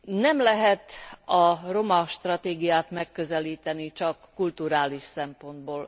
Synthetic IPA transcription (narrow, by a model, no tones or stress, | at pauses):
nɛmlɛɦɛt̪ɒro̞mɒʃt̪rɒt̪eːɡijaːt̪mɛkːøzɛliːt̪ɛnit͡ʃɒkːult̪uɾaːliʃsɛmpo̞nd̪boːl